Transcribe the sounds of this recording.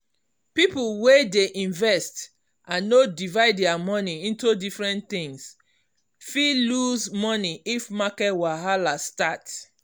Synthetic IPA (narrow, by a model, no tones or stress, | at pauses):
pipulwedeʔĩnvɛst | ʔãnːodivaɪddɛamɔniĩntudifɹɛ̃nt̪ĩŋs | filuzmɔniifmakɛtwaɦalastat